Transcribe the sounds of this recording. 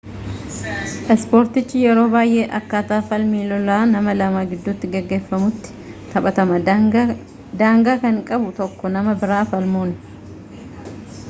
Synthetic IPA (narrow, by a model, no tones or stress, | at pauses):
ʔɛspo̞ːɾt̪ɪt͡ʃːɪjɛɾo̞ːbaːjʔe̞ːʔɐkːaːt̪aːfɐlmiːlɔlaːnɐmɐlɐmaːɡɪd̪ːʊt̪ːɪɡɐɡːe̞ːfːɐmʊt̪ːɪ̥t̪ɐpʼɐt̪ɐmɐ | d̪aːŋɡaːkɐŋkʼɐbʊt̪ɔkːɔnɐmɐbɪɾaːfɐlmoːn